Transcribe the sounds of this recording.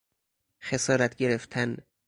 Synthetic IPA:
xesɒːɾæt̪ʰɟe̞ɾe̞ft̪ʰæn

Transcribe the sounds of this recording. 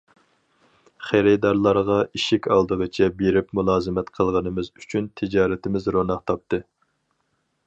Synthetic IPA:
χæɾɪd̪ɑɾlˠɑɾʁɑiʃikʲɑlˠd̪əʁət͡ʃʰɛbeɾɪpmulˠɑːzɨmɛt̪qʰəlˠʁənɨmɪzyt͡ʃʰynt̪ʰɪd͡ʒɑːɾɪt̪ʰɪmɪzɾonɑqt̪ʰɑp̚t̪ɨ

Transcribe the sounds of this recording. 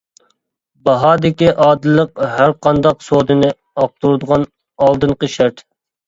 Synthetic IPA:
bɑɦɑːd̪ɪkʲiʔɑːd̪ɨlˠːəqhæɾqʰɑnd̪ɑqsoːd̪ɨnɨ | ɑq̚t̪uɾud̪əʁɑn | ɑlˠd̪ɨɴqəʃæɾt̪

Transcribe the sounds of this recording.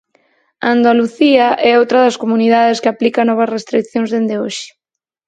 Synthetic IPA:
and̪aluθiaʔɛowt̪ɾɐðɐskomuniðaðeskɪaplikanɔβ̞ɐsrest̪ɾikθjoŋzðend̪eoʃɪ̥

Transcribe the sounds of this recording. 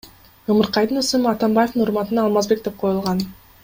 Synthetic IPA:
ɯmɯɾqɑjd̪ɯnɯsɨmɑt̪ɑmbajefd̪ɯnuɾmɑt̪ɯnɑːlˠmɑzbe̞k̚d̪e̞p̚qʰo̞julˠʁɑn

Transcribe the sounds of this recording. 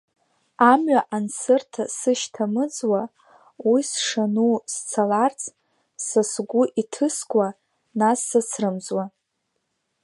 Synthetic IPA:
amɥaʔansɨrtʰasɨʃtʰamɨd͡zwa | wisʂanust͡sʰalart͡sʰʼ | sasɡʷʊʔitʰɨskʷʼa | nasːasrɨmzwa

